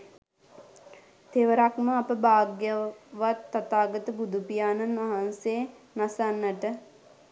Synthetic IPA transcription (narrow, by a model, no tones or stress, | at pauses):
t̪ʰeʋəɾakməapəbaːɡjəʋat̪ːat̪aːɡət̪əbud̪upijaːnanʋaɦanse | nasanːəʈə